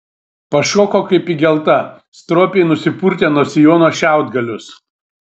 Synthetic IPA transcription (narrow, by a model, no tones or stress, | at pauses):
pɐʃoːkoːkɐɪpiɡʲɛlˠt̪ɐ | st̪ɾoːpʲeɪnʊsʲɪpuɾʲt̪ʲeːnuɔsʲɪjoːnoːʃʲæˑʊd̪ɡɐlʲʊs